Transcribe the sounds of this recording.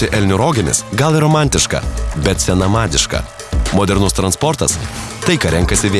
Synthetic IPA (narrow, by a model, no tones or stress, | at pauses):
ɪʔɛlʲnʲʊɾoːɡʲɪmʲɪ̰sɡɐlˠɪɾoːmɑˑnʲt̪ʲɪʃkɐ̰bʲɛt̪sʲɛnɐmɑːd̪ʲɪʃkɐ̰ | moːd̪ʲɛɾnʊst̪ɾɐnspɔɾt̪ɐst̪ɐɪkɐɾʲɛŋkɐsʲɪʋʲeː